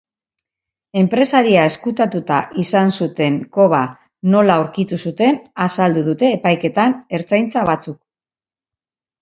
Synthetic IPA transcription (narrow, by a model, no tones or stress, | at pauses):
e̞mpɾe̞saɾiae̞skut̪at̪ut̪aʔisansut̪e̞ŋko̞βa | no̞lauɾkit̪usut̪e̞nasald̪uðut̪e̞ːpajke̞t̪ane̞ɾt͡sajnt͡saβat͡suk